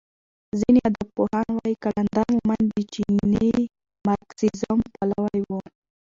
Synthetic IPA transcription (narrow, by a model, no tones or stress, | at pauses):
zinead̪ab̚pohɑnwɑjikaland̪ɑɾmumand̪ət͡ʃine | maɾksizampalawajwu